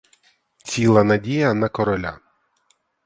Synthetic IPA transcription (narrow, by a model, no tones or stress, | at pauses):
t͡sʲilˠɐnɐdʲijɐnɐkɔɾɔlʲa̰